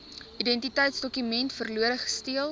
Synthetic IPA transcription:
idɛntitəjtsdɔkymɛntfərluəɾəχə̥stiəl

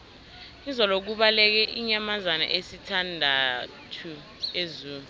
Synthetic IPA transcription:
izɔlok̬uɓalɛk̬ɛʔiɲamazana̰ʔesitʰandʱa | tʰu | ezuːnu

